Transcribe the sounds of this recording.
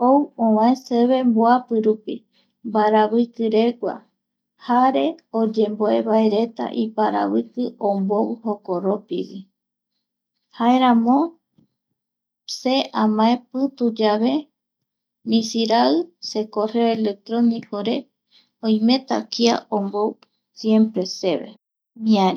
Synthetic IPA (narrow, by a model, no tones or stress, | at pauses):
owõwãẽseβe̞mboapɨɾupi | mbaɾaβɨkɨɾeɡʷa̰ | haɾeod͡ʒe̞mboe̞βae̞ɾe̞t̪a̰ʔipaɾa̰βɨkɨʔomboβɨhokoɾopiβi | hae̞ɾãmõ | seʔamãepɨt̪ud͡ʒaβe̞ | mĩsiɾaɨsekoreoele̞k̚t̪ɾonikʰoɾe̞ | õij̃mẽ̞t̪a̰kia̰ombow | sjempɾe̞se̞βḛ | mĩaɾ